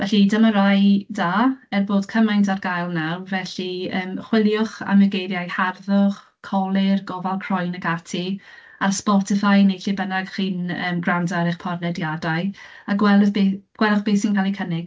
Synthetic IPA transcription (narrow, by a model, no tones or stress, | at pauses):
vɛɬidəməɾajdaːɛrboːd̥kʰəmajntʰarɡajlˠnawvɛɬiəːmχwɪlˠjʊχa̰nmɛɡejɾjajharðʊχ | kʰɔlˠɪrɡɔvalˠkʰr̥ɔjnəɡatʰi | arspɔtɪfajnejɬibənaɡ̥χiːnəːmɡrandaɾɪχpʰɔrnɛdjadaɨaɡwɛlˠbeɡ̥wɛlˠʊχb̥eːθsinkʰalˠikʰənɪɡ̥